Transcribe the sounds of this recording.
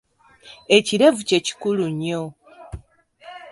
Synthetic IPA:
e̞ciɾevuce̞ci̥kuluɲo

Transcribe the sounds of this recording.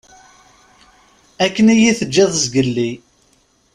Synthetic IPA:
ækːənijiθəd͡ʒːɪðˤzɡəlːi

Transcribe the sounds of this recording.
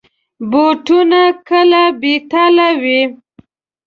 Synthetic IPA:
boʈunakəlabeʈalawi

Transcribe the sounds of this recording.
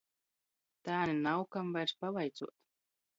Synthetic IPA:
t̪aːnʲinawkamvajɾspavajt̪suɔt̪

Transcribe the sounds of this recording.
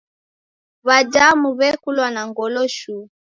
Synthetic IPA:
βad͡ʒamuβɛkulwanaŋɡɔlɔʃu

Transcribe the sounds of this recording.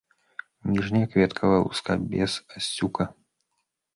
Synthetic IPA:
nʲiʐnʲijɐkvʲɛt̪kʰɐvɐṵska̰bʲɛsasʲt͡sʲukɐ

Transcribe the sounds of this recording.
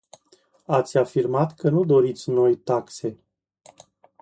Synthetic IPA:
at̪sʲafirmat̪kənud̪o̞ɾit̪sʲno̞jt̪akse̞

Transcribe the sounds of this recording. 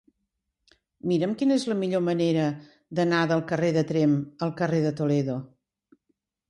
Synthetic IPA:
miɾəmkinəezləmiʎoməneɾə | d̪ənaðəlˠkəreðət̪ɾeməlˠkəreðət̪uleðo

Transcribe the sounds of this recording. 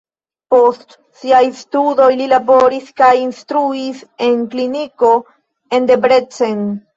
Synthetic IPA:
po̞st | siajstudo̞jlilabo̞ɾiskajinstɾuise̞nkliniko̞ | e̞nde̞bɾe̞t͡sen

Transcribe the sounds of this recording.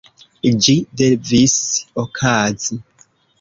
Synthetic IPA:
d͡ʒidevisokʰazi

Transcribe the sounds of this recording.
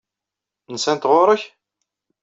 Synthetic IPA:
nəsænt̪ʁʊɾˤəç

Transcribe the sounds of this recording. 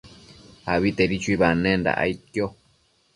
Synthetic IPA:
aβit̪eɾit͡ʃuiβanẽnda̰ʔa̰it̪jo

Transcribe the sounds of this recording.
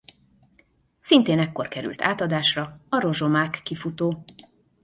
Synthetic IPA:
sint̪eːnɛkːo̞rkɛɾy̰lt̪ʰa̰ːt̪ɒd̪aːʃrɒɒɾo̞ʒo̞maːkːifut̪oː

